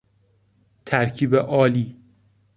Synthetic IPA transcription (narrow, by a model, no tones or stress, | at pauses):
t̪ʰæɾcʰiːbeʔɒːliː